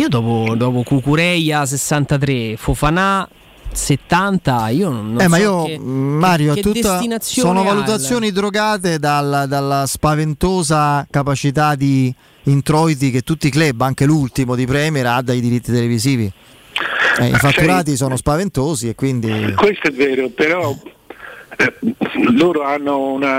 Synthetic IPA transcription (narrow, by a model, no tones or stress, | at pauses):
iːod̪ɔːpod̪ɔːpokukuɾɛjas̬esːant̪at̪̬ɾefofana | set̪ːant̪aiːoːɛmmaiomaːɾjoɛt̪ːut̪ːainat̪sːjsooːnovalut̪̬at̪sːjoːnid̪ɾoɡaːt̪ed̪alːad̪alːaspavent̪oːzakapat͡ʃit̪ad̪iː | nt̪ɾɔjt̪̬ik̟et̪ːut̪ːiklɛbːaŋk̟elult̪imod̪ipɾɛːmeɾad̪ːajd̪iɾit̪ːit̪eleviziːvi | ɛḭfatt͡ʃ̪ːuɾaːt̪̬is̬oːnospavent̪oːziekːwind̪ikwest̪oɛvːɛːɾopeɾɔ | loːɾoanːouna